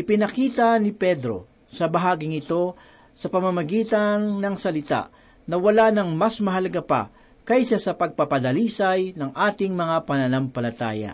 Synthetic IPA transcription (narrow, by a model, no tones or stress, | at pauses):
ʔɪpɪnɐkiːt̪ɐnɪpɛd̪ɾo̞̰ | sɐbɐɦaːɡɪŋɪt̪o̞ | sɐpɐmɐmɐɡiːt̪ɐnnɐŋsɐlɪt̪a̰ʔ | nɐwɐlanɐŋmɐsmɐɦɐlɐɡapɐ̰ | kɐjsɐsɐpɐɡ̚pɐpɐd̪ɐliːsɐjnɐŋʔaːt̪ɪŋmɐŋapɐnɐnampɐlɐt̪a̰ːjɐ̰